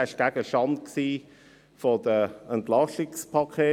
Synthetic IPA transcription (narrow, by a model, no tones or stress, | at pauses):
aɪʃɡ̥aɡ̥əʃɑnt̚ksiː | fɔdəəntlɑʃɪkspʰɑkʰeː